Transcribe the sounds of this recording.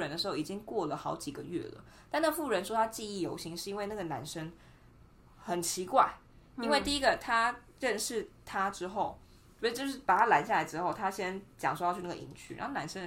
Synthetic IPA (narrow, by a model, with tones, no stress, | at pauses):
ɻə˧˦nd̪ə˧ʂɻ̩˧˥xo˥˩i˨˩t͡ɕi˦˥ŋkwɔ˥˩lə˩xɑ˧˥ʊt͡ɕi˨˩ɡə˩ɥɛ̰˥˩lə̰˩ | t̪a˥˧na˥ɡə˧˩fu˥˩ɻə˧˦nʂwɔ˥t̪ʰa˥t͡ɕi˥˧i˥˩jo˧˥ʊɕi˧˥ŋʂɻ̩˥˩i˥nwe˥˧na˥˩ɡə˩na˧˥nʂə˥ŋ | xə˨˩nt͡ɕʰi˧˥kwa˥˩ɪ | i˥nwe˥˧ɪt̪i˥˩i˦˥ɡə˨t̪ʰa˥ | ɻə˥˧nʂɻ̩˥˩t̪ʰa˥ʈ͡ʂɻ̩˥xo˥˩ʊ | o˨˧˩t͡ɕo˥˧ʊʂɻ̩˥˩pa˨˩t̪ʰa˦˥la˧˥ɪɕja˥˩la˨˧ɪʈ͡ʂɻ̩˥xo˥˩ʊt̪ʰa˥ɕjɛ˥nt͡ɕjɑ˨ŋʂwɔ˥jɑ˥˧y˥˧n˥˩ɡə˨ḭ˧˥ŋt͡ɕʰy̰˨˩ɻɑ̰˧˥xo˥˩na˧˥nʂə˥˨˩